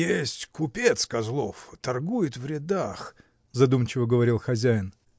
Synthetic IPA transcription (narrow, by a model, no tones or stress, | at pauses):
jesʲtʲkʊpʲet̪skɐzlˠoft̪ɐrɡujɪt̪vɾʲɪd̪ax | zɐd̪umt͡ɕɪvəɡəvɐɾʲilˠxɐzʲæjɪn